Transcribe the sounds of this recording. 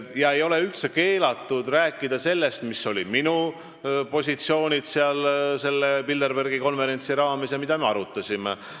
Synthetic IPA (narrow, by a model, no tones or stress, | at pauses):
jɑe̞jo̞le̞ylt̪seke̞ːlɑt̪ːˑud̪̥ræːkːˑid̪̥ɑse̞lːe̞st̪misːo̞lʲḭminu | po̞sʲit̪sio̞ːnʲid̪̥seɑlse̞lːepild̪erberɡiko̞nve̞ɾe̞nʲsiɾɑːme̞sjɑmid̪̥ɑme̞ɑɾut̪ːˑɑsʲime